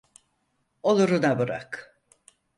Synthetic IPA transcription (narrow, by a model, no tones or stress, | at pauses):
o̞lˠuɾunabɯɾa̰k